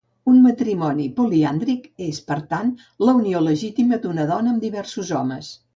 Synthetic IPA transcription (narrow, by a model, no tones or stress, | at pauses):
unmət̪ɾimɔnipuliand̪ɾikespəɾt̪an | ləunioləʒit̪iməd̪unəðɔnəːmd̪iβɛrsuzɔməs